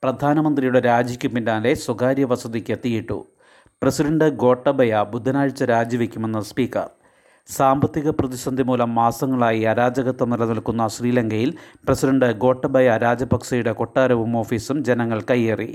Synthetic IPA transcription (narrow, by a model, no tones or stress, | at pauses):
prɐd̪ʱaːnɐmɐnd̪rijuɽeɾaːd͡ʑikʲːumpːinɖaːle̞swɐɡaːɾjɐʋɐsɐd̪ikʲːɐt̪ːijiʈːṵ | prɐsiɖɐɳɖɨɡo̞ːʈːɐbʱɐjɐbud̪ʱːɐnaːɻt͡ɕːɐɾaːd͡ʑjɐʋikʲːume̞nːɐspiːkɐ̰r | saːmbɐt̪ːiɣɐprɐðisɐnd̪ʱimuːlɐmːaːsɐŋːɐɭaːjiɐɾaːd͡ʑɐɣɐt̪ːɐmnɐlɐnɐlkunːɐsriːlɐŋɡɐjilpresiɖɐɳɖɨɡo̞ːʈːɐbʱɐjɐɾaːd͡ʑɐbɐksɐjuɽe̞ko̞ʈːaːɾɐʋumo̞ːfiːsumd͡ʑe̞nɐŋːɐɭkɐjːerḭ